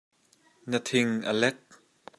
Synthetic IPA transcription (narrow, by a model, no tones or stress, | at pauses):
nət̪ʰɪŋʔə̰lɛk̚